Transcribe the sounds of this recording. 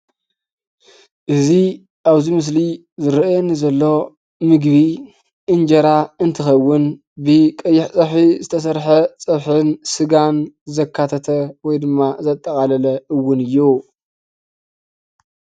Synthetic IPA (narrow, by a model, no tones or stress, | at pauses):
ʔɨzi | aβzimɨs̬li | zɨɾɐjonːizɐlːo̞ | mɨɡβi | ʔɨnd͡ʒɐɾaɨnt̪ʰɨxɐwːʊn | bɨkʼɐjːɪħt͡sʼɐħizɨt̪ʰɐs̬ɐɾħɐt͡sʼɐβħɨnsɨɡanzɐkʰːat̪ʰɐt̪ʰɐwɔjd̪ɨmːazɐt̪ʼːɐkʼalɐlɐʔɨwːʊnɨjːu